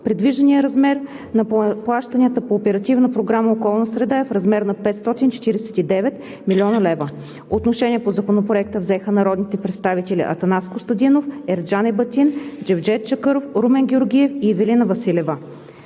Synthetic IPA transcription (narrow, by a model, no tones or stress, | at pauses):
pɾɛd̪viʒənijəɾɐzmɛɾ | nɐplˠaʃt̪ɐnʲiət̪əpoːpɛɾɐt̪ivnəpɾoɡɾaməokɔlˠnəsɾɛd̪aɛfɾɐzmɛɾnɐpɛt̪st̪ɔt̪int͡ʃɛ̥t̪iɾɛsɛ̥t̪id̪ɛvɛt̪ | miliɔnɐlɛvə | ot̪noʃɛnʲiɛpozɐkonopɾoɛkt̪əvzɛxənɐɾɔd̪nit̪ɛpɾɛt̪st̪avit̪ɛlḭʔɐ̰t̪ɐnaskost̪ɐd̪inofɛɾd͡ʒanɛbɐt̪ʲind͡ʒɛvd͡ʒɛt̪̚t͡ʃɐkɤɾofɾumɛnɡʲɛoɾɡʲiɛfivɛlinɐvɐsilɛvə